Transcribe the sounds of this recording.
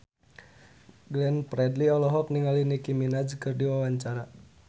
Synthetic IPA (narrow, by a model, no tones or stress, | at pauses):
ɡlɛnpɾɛdliɔlɔɦɔk̚niŋalinikiminad͡ʒkɨrdiwawaɲt͡ʃaɾa